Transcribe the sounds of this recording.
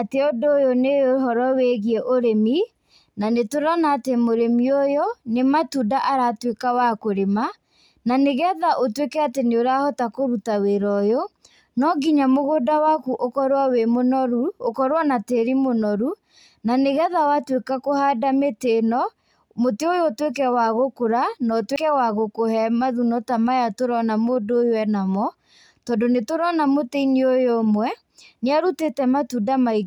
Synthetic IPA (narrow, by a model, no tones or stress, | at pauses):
ateɔdojɔnejoɦɔɾɔweɣiɛʔoɾemi | nanetoɾanaːtemoɾemiojɔnematudaʔaɾatwekawakoɾema | naneɣɛðaʔotwekɛateneoɾahɔtakoɾutaweɾɔjo | nɔɡiɲamoɣodawakuʔokɔɾowawemonɔɾuokɔɾwanateɾimonɔɾu | naneɣaðawatwekakohadametenɔ | moteojotwekɛwaɣokoɾanɔtwekɛwaɣokohɛmaðunɔtamajatoɾɔnamoːdojowɛnamɔ | tɔndonetoɾɔnamoteiniojomwɛ | neaɾutetɛmatudamai